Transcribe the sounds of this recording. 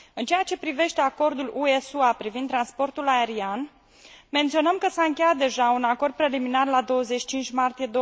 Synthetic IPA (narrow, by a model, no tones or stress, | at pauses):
ɨnt͡ʃejat͡ʃe̞pɾive̞ʃt̪e̞ako̞rd̪ulʔue̞suapɾivind̪ɾanspo̞rt̪ulaeɾian | me̞nt̪sio̞nəmkəsaɨŋkʲe̞jat̪̚d̪e̞ʒaunako̞rd̪̚pɾe̞liminarlad̪o̞wəze̞t͡ʃʃi̥t͡ʃint͡ʃʲmart̪ije̞d̪o